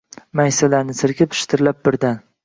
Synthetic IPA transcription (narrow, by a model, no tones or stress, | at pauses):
majsalaɾnɪsɪɾkʲʰɪpɪ̥ʃt̪ʰɪɾlap̚bɪɾd̪an